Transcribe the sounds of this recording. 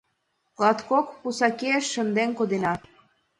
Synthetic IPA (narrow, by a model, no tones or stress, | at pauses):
klˠɑt̪kokpusɑkeeʃːə̆nd̪enkod̪enɑ